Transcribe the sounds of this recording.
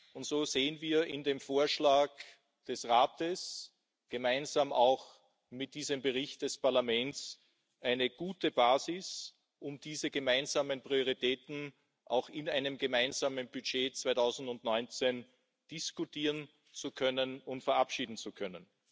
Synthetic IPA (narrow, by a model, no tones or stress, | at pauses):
ʊntz̥oːz̥eːənviːɐɪndeːmfoːɐʃlaːk | d̥ɛsʁaːtəs | ɡ̥əmaɪnzaːmaʊx | mɪt̚d̥iːzəmbəʁɪçt̚d̥ɛspaɐlamɛnts | ʔæɪnəɡ̥uːtəb̥aːzɪs | ʔʊmd̥iːzəɡəmaɪnzaːmənpʁ̥ioʁitʰɛːtn̩ | ʔa̰ʊxɪnaɪnəmɡəmaɪnzaːmənb̥yt͡ʃeːt͡sv̥aɪtʰaʊzn̩dʊntnɔʏnt͡sen | d̥ɪskutiːʁən | t͡sukʰœnənʊntfɛɐʔapʃiːdn̩t͡sukʰœnən